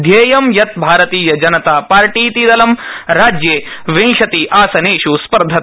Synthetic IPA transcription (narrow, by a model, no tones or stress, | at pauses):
d̪ʱjeːjɐmjɐt̪̚bʱaːɾɐt̪iːjɐd͡ʒɐnɐt̪aːpaːɾʈiːt̪id̪ɐlɐmɾaːd͡ʒjeːʋẽŋʃɐt̪iʔaːsɐneːʃuspɐɾd̪ʱɐ